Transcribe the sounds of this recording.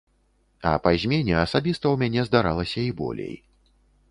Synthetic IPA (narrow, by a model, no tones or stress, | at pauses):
ɐ̰pazʲmʲenʲɛɐsabʲist̪ɐwmʲanʲɛzd̪aɾalˠɐsʲɐibɔ̰lʲḛj